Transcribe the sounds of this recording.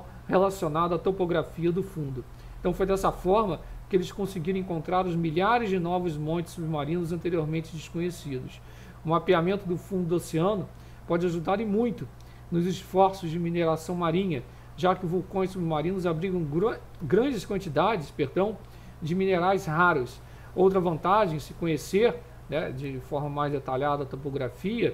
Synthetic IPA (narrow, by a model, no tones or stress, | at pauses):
helasionad̪ʊat̪opoɡɾafiɐd̪ʊfũnd̪ʊ | ẽt̪ɐ̃w̃fojd̪ɛsɐfɔɾmɐkɪelɪskõsɪɡiɾɐ̃ẽkõnt̪ɾaɾʊzmiʎaɾɪzd͡ʒɪnɔvʊzmõnt͡ʃɪ̥subɪmaɾĩnʊzɐ̃nt̪eɾioɾmẽnt͡ʃɪd͡ʒɪskõɲesid̪ʊs | ʊmapiamẽnt̪ʊd̪ʊfũd̪ʊd̪oseɐ̃nʊ | pɔd͡ʒɪaʒud̪aɾɪmũj̃t̪ʊ | nʊzɪsfɔɾsʊzd͡ʒɪmineɾasɐ̃w̃maɾĩɲɐ | ʒakɪʊvuwkõj̃subɪmaɾĩnʊzabɾiɡɐ̃w̃ɡɾ | ɡɾɐ̃nd͡ʒɪskwɐ̃nt͡ʃid̪ad͡ʒɪspeɾd̪ɐ̃w̃ | d͡ʒɪmineɾajsɦaɾʊs | owt̪ɾɐvɐ̃nt̪aʒẽj̃sɪ̥kõɲeseɾ | nɛd͡ʒɪfɔɾmɐmajzd̪et̪aʎad̪ɐɐt̪opoɡɾafiɐ